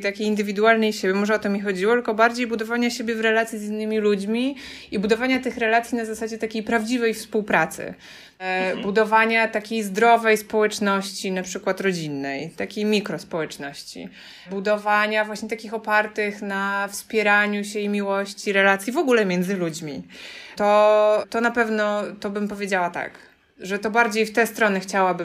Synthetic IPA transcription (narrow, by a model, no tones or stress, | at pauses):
t̪akʲejind̪ɘvʲid̪ualnɛjɕebʲjɛmɔʐɛɔt̪ɔmʲɲɛxɔd͡ʑiwɔt̪lkɔbaɾd͡ʑejbud̪ɔvaɲaɕebʲjɛvɾɛlat̪sʲizinːɘmʲilud͡ʑmʲi | ibud̪ɔvaɲat̪ɘxɾɛlat̪sʲjinazasad͡ʑɛt̪akʲejpɾavd͡ʑivɛjfspuwpɾat̪sɘ̰ | bud̪ɔvaɲat̪akʲejzd̪ɾɔvɛjspɔwɛt͡ʂnɔɕt͡ɕinapʂɘkwat̪ɾɔd͡ʑinːɛjt̪akʲejmʲikɾɔspɔwɛt͡ʂnɔɕt͡ɕḭ | bud̪ɔvaɲavwaɕɲɛt̪akʲixɔpaɾt̪ɘxnafspʲjɛɾaɲuɕɛimʲiwɔɕt͡ɕiɾɛlat̪sʲjivɔɡulɛmʲjɛnd̪zɘlud͡ʑmʲit̪ɔt̪ɔnapɛvnɔt̪ɔbɘmpɔvʲjed͡ʑawat̪a̰k | ʐɛt̪ɔbaɾd͡ʑejft̪ɛst̪ɾɔnɘxt͡ɕawabɘ